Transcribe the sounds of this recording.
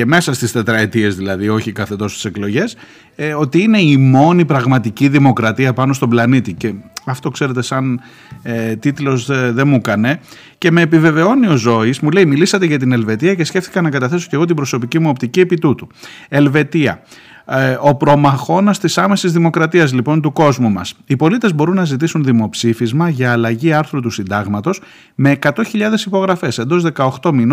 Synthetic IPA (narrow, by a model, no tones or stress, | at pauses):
eme̞sɐst̪ist̪e̞t̪ɾɐet̪ie̞zðilɐðio̞çikɐθe̞t̪o̞st̪i̥se̞klo̞ʝe̞s | o̞t̪iine̞imo̞nipɾɐɣmɐt̪iciðimo̞kɾɐt̪iɐpɐno̞st̪o̞blɐnit̪ice̞ɐft̪o̞kse̞ɾe̞t̪e̞sɐn | t̪it̪lo̞zðe̞mukɐne̞ | ce̞me̞ːpive̞ve̞o̞nio̞zo̞izmule̞imilisɐt̪e̞ʝɐt̪̬ine̞lve̞t̪iɐce̞sce̞fθi̥kɐnɐkɐt̪ɐθe̞so̞ce̞ɣo̞t̪̬ibɾo̞so̞picimuo̞pt̪icie̞pit̪ut̪u | e̞lve̞t̪iɐ̰ | o̞pɾo̞mɐxo̞nɐst̪isɐme̞sizðimo̞kɾɐt̪iɐzlipo̞nt̪uko̞zmumɐsipo̞lit̪ezbo̞ɾunːɐzit̪isunðimo̞psifizmɐʝɐːlɐʝiɐɾθɾut̪usind̪ɐɣmɐt̪o̞s | me̞ːkɐt̪o̞çiʎɐðe̞sipo̞ɣɾɐfe̞send̪o̞zðe̞kɐoxt̪o̞min